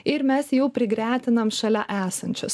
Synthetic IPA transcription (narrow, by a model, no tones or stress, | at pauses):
ɪɾmʲɛsjɛʊpʲɾʲɪɡɾʲæːt̪ʲɪnɐmʃɐlʲɛʔæːsɐnʲt͡ʃʲʊs